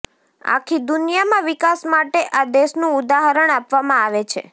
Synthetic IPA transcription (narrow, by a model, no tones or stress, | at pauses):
a̰kʰid̪unjamãʋikasmaʈeʔad̪eʃnũʊd̪aɦaɾəɳapʋamãaʋet͡ʃʰḛ